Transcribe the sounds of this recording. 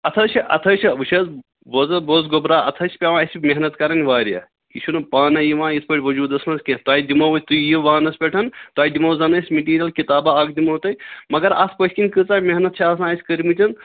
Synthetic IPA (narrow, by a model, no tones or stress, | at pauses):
ɐt̪ʰɐt͡ʃʰiʔɐ̰t̪ʰɐːt͡ʃʰiɐʋɨʃʰɐz | boːzɐboːzɡobɾaːɐ̰t̪ʰɐt͡ʃʰpʲaʋãːɐsʲmeɦnɐt̪kɐɾɐnʲʋaːɾijɐ̰ | it͡ʃʰunɐpaːnɐjiʋãːjit̪ʰpɐʈʰʲʋɐd͡ʒuːd̪ɐsmɐnzkẽt̪aːid̪imoʋɐt̪ujiʋaːnɐspʲeʈʰɐnt̪aːid̪imoːzɐnɐsʲmeʈiːɾʲijɐlkit̪aːbaaːɡ̚d̪imoːt̪ɐjmɐɡɐɾa̰ːspəsʲkʲinʲkɨt͡saːmeɦnɐt̪̚t͡ʃʰiaːsãːsʲkəɾmit͡ʃʲɐn